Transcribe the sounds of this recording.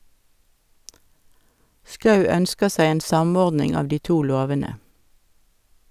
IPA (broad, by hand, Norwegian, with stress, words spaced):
ˈskɑʉ ˈœnskə ˈsæɪ ˈeːn ˈsɑˌmɔʁdnɪŋ ˈɑʋ ˈdiː ˈtuː ˈloːʋənə